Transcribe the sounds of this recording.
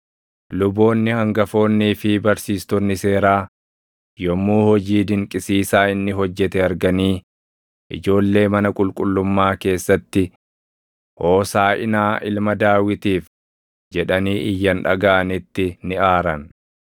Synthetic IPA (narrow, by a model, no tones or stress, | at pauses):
lʊbo̞ːnːɪhɐŋɡɐfo̞ːnːiːfɪbɐɾsiːst̪ɔnːɪse̞ːɾaː | jɔmːuːhɔd͡ʒiːd̪ɪŋkʼɪsiːsaːɪnːɪɦɔd͡ʒːɛt̪ɛɐɾɡɐniː | ʔɪ̰d͡ʒo̞ːlːe̞ːmɐnɐkʼʊlkʼʊlːʊmːaːke̞ːsːɐt̪ːɪ | ʔo̞ːsaːʔɪ̰naːʔɪlmɐd̪aːwɪt̪iːf | d͡ʒɛᶑɐniːʔɪjːɐnᶑɐ̰ɡaːɐnɪt̪ːɪnɪaːɾɐn